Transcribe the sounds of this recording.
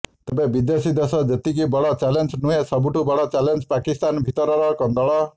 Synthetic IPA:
t̪ʌpãbid̪jesid̪esʌd͡zet̪ikibɔɽɔt͡salensnuɦesʌbuʈubɔɽɔt͡salend͡zpakist̪anbʱit̪ʌɾɔɾʌkʌnd̪ɔɭɔ

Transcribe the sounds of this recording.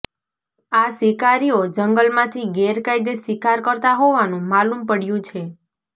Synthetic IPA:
asikaɾiod͡ʒəŋɡəlmãt̪ʰiɡeɾkajd̪esʋikaɾkəɾt̪aɦoʋanũmalumpəɽjũt͡ʃʰe

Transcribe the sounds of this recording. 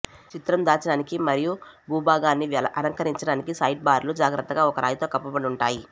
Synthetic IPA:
t͡ʃit̪ɾɐmd̪aːt͡ʃɐɽaːnikimɐɾijubuːbʱaːɡaːnːiɐnɐŋkɐɾiɲt͡ʃɐɽaːnikisɐjʈ̚baːɾlud͡ʒaːɡɾɐt̪ːɐɡaːɔkɐɾʔa̰ːjit̪oːkɐpːɐbɐɽiuɳʈaːji

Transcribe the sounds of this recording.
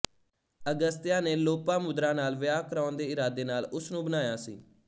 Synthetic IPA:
əɡəst̪jãːneːloːpãːmʊd̪ɾãːnaːlʋɪjaːkəɾaːnd̪eːɪɾaːd̪eːnaːlʊsnũːbənaːjaːsḭː

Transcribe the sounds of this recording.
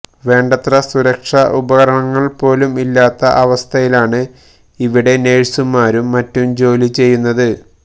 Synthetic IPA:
ʋe̞ːɳɖɐt̪rɐsuɾɐkʂɐʔubɐɣɐɾɐɳɐŋːɐɭpo̞ːlumilːaːt̪ːɐʔɐʋɐst̪ʰɐjilaːɳɨ | iʋiɽe̞ne̞ːɻsumːaːɾumːɐtːumd͡ʑo̞ːlit͡ɕe̞jːunːɐðɨ

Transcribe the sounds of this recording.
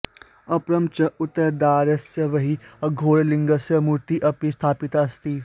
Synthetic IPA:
ɐpɾɐmt͡ʃɐut̪ːɐɾd̪aːɾɐsjɐʋɐɦiɐɡʱoːɭliŋɡɐsjɐmuɾt̪iːʔɐpist̪ʰaːpit̪ɐst̪iː

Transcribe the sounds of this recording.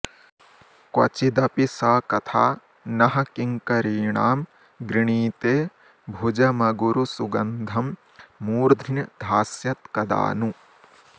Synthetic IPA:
kwɐt͡ʃid̪ɐpisaːkɐt̪ʰaː | nɐɦɐkiŋkɐɾiːɳaːm | ɡɾiɳ̃iːt̪eː | bʱud͡ʒɐmɐɡuɾusuɡɐnd̪ʱɐmː | uːɾd̪ʱinɐd̪ʱaːsjɐt̪kɐd̪a̰ːnu

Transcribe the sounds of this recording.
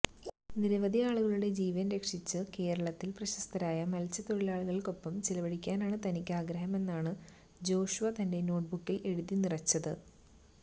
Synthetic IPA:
niɾɐʋɐd̪ʱijaːɭuɣɐɭuɽe̞d͡ʑiːʋɐnɾe̞kʂit͡ɕːɨke̞ːɾɐɭɐt̪ːilprɐɕɐst̪ʰɐɾaːjɐmɐlt͡ɕːɐt̪o̞ɻilaːɭuɣɐɭko̞pːɐmt͡ɕilɐʋɐɽikʲːaːnaːɳɨt̪ɐnikʲːaːɡɾɐɦɐme̞nːaːɳɨ | d͡ʑo̞ːɕuʋɐt̪ɐnde̞no̞ːʈ̚bukːile̞ɻuðinirɐt͡ɕːɐðɨ

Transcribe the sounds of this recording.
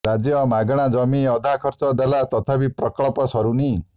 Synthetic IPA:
ɾad͡ʒjɔmaɡɽ̃ad͡ʒɔmiɔd̪ʱakʰɔɾt͡ʃɔd̪alat̪ɔt̪ʰapipɾɔkɔɭɔpɔsɔɾuni

